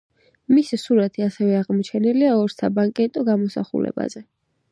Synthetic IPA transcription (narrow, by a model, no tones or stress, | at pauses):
misisuɾat̪ʰiasɛvɛaʁmt͡ʃʰɛnɛliaɔɾsabaŋkʼɛt̪ʼɔɡamɔsa̰χṵlɛ̰ba̰zɛ